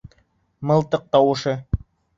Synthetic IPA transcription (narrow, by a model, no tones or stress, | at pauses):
mɤ̆lˠt̪ɤq̚t̪ɑwɤ̆ʃɤ